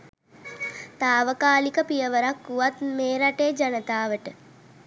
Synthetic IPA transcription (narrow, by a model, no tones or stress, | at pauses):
t̪aːʋəkaːlikəpijəʋəɾakːuʋat̪meːɾaʈeːd͡ʒɐnət̪aːʋəʈə